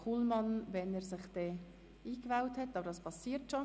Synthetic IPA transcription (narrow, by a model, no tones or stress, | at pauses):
uːlmɑnʋɛneːɾsɪχd̥̪eː | iːkvawthɛtːɑːbəɾdɑspʰɑsiːɾtʃo